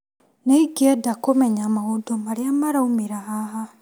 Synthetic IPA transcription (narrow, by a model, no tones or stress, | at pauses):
neiɡɛdakomɛɲamahondomaɾeamaɾaumeɾaɦaɦa